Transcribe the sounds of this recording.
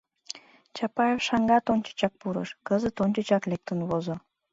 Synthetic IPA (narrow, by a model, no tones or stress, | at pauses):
t͡ɕɑpɑjefʃɑŋɡɑt̪onʲt͡ɕə̥t͡ɕɑk̚puɾə̰ʃkəzə̆t̪ont͡ɕət͡ɕɑklek̚t̪ə̆nβozŏ